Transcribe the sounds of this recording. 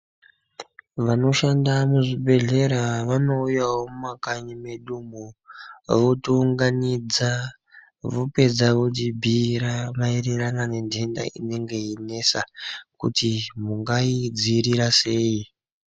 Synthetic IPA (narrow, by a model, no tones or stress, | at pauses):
ʋano̞ʃandamuʐibʱe̞ɮe̞ɾaʋano̞ujawomumakaɲime̞ɗumo | ʋotuŋɡanid͡za | ʋupe̞d͡zaʋotibʱiɾamaireranane̞ndʱe̞nda̰ʔine̞ŋɡe̞ine̞sakṵtimuŋɡaid͡ziːɾiɾase̞ːji